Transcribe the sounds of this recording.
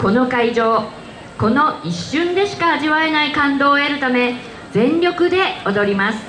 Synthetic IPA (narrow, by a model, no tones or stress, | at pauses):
ko̞no̞kaiʑo̞ː | ko̞no̞iɕːɨ̃nd̪e̞ɕi̥kaaʑiβae̞naikãnd̪o̞ːe̞ɾɯ̟t̪ame̞ | d͡zẽ̞ɲɾʲo̞kɯ̟d̪e̞o̞d̪o̞ɾʲimasɨ̥